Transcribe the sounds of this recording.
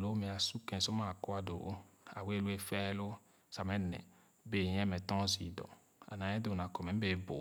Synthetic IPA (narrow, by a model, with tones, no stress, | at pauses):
lo˨˦mẽ˨a˨su˦kɛ̃˨sɔ˦mã˦˨kɔ˦a˨do̰˨˦a̰˨we˦˨lu˦e˦fɛ˦lo˦ | sa˨mɛ̃˦nɛ̰̃˨ | be˨ɲɛ̃˦mɛ̃˨t̪ɔ̃˦zi˨dɔ̰˨ | a̰˨nã˨ɲɛ̃˦do˨nã˨kɔ˨mɛ̃˨m̩˦be˨˦bo˨